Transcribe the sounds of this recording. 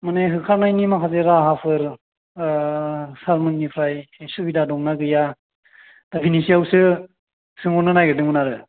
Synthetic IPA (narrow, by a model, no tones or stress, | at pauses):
mɯneɦɯkʰanajnimakʰazeɾaɦapʰɯɾ | saɾmɯnːipʰɾajsubidadɔŋnaɡɯja | d̥apʰinisijawsɯ | sɯŋɔnɯnajɡɯdɯŋɯnaɾɯ